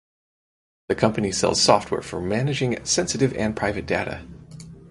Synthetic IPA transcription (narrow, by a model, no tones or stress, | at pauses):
ðɨkʰʌ̃mpɨnisɛ̰lˠz̥sɔft̚wɛ̰ɹfə˞mænɨd͡ʒɪ̃ŋsɛ̃nsɨɾɨvɨ̃npʰɹ̥aɪvɨt̚d̥eɾɨ̰